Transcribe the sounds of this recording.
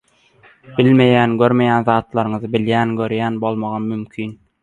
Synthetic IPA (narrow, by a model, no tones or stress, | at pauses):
b̥ɪlʲme̞jæːnɡøɾme̞jænðɑːt̪lˠɑɾɯŋɯzɯbɪljæːnɡøɾjæːnbolˠmɑʁɑmymkʲʰyːn